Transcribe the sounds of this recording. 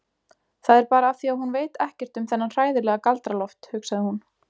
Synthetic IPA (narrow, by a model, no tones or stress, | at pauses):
θaðɛɾpaːɾaːθiawhunveːjt̪ɛhcɛr̥t̪ʏmθɛnːanr̥aːjðɪlɛːɣakalt̪ɾalɔft̪hʏksaðɪhun